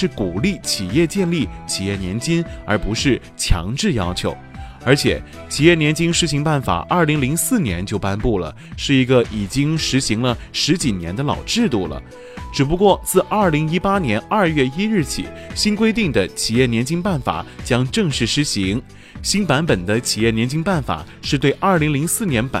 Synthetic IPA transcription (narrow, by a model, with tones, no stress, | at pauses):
ʂɻ̩˥˩ku˨˩li˥˩t͡ɕʰi˨˩jɛ˥˧t͡ɕjɛ˥˧nli˥˩t͡ɕʰi˨˩jɛ˥˩njɛ˧˥nt͡ɕi˥nə̰˞˧˥pu˧˥ʂɻ̩˥˩ | t͡ɕʰjɑ̰˧˥ŋʈ͡ʂɻ̩˥˩jɑ˥ʊt͡ɕʰjo˧˥ʊ | ə˞˧˥t͡ɕʰjɛ̰˨˩˦ | t͡ɕʰi˨˩jɛ˥˩njɛ˧˥nt͡ɕi˥ŋʂɻ̩˧˥ɕi˧˥ŋpa˥˩nfa̰˨˩˦ʔɐ˞˥˩li˧˥ŋli˧˥ŋsɹ̩˥˩njɛ˧˥nt͡ɕjo˥˩ʊpa˥npu˥˩lə̰˩ | ʂɻ̩˥˩i˧˥ɡə˧ʔi˨˩t͡ɕi˥ŋʂɻ̩˧˥ɕi˧˥ŋlə˧ʂɻ̩˧˥t͡ɕi˨˩njɛ̰˧˥nd̪ə˧lɑ̰˨˩ʊʈ͡ʂɻ̩˥˧t̪u˥˩lə̰˩ | ʈ͡ʂɻ̩˨˩p̬u˧˥kwɔ˥˧t͡sɹ̩˥˧ʔɐ˞˥˩li˧˥ŋi˥pa˥njɛ˧˥nɐ˞˥˧ɥɛ˥˩i˥ɻɻ̩˥˩t͡ɕʰḭ˨˩˦ | ɕi˥nkwe˥ɪt̪i˥˩ŋd̪ə˩t͡ɕʰi˨˩jɛ˥˩njɛ˧˥nt͡ɕi˥ŋpa˥˩nfa̰˨˩˦t͡ɕjɑ˥ŋʈ͡ʂɤ˥˧ŋʂɻ̩˥˩ʂɻ̩˧˥ɕi˧˥ŋ | ɕi˥npa˧˥npə˨˩nd̪ə˦t͡ɕʰi˨˩jɛ˥˩njɛ˧˥nt͡ɕi˥ŋpa˥˩nfa̰˨˩ | ʂɻ̩˥˧t̪we˥˧ɪʔɐ˞˥˩li˧˥ŋli˧˥ŋsɹ̩˥˩njɛ˧˥npa̰˨˩